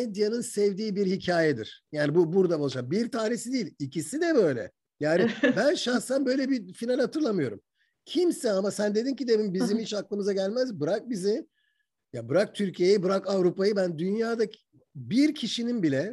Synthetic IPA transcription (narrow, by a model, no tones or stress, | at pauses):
ed̪janɯnsɛvd̪iːbiɾhicʰaːjɛd̪ḭɾ̥jaːnibubuɾd̪abolˠɯʃabiɾt̪ʰaːnesid̪ijːilʲicisid̪ɛbø̞jlʲɛ̰ | jaːnibænʃansanbøjlʲɛbifinalʲhat̪ʰɯɾlˠamɯjo̞ɾṵm | cʰimsɛamasænd̪e̞d̪incid̪emimbizimit͡ʃaklˠɯmɯzaɟælʲmæzbɯɾak̚bizi | jabɯɾak̚t̪ʰyɾcʰijejibɯɾakavɾupajɯbænd̪ynjaːd̪a | biɾcʰiʃininbilʲɛ